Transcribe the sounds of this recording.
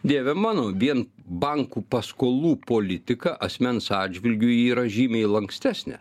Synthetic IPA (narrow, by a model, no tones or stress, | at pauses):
d̪ʲeːʋʲɛmɑːnoːʋʲiɛnbɐŋkuːpɐskoːlˠuːpoːlʲɪt̪ʲɪkɐʔɐsʲmʲɛnsɑːdʲd͡ʒʲʋʲɪlʲɡʲʊiːɾɐʒʲiːmʲɛɪlˠɐŋksʲt̪ʲæːsʲnʲɛ̰